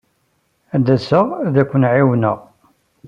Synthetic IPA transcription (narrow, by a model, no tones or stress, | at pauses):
æd̪ːæsəʁæðækʷːənʕiwnəʁ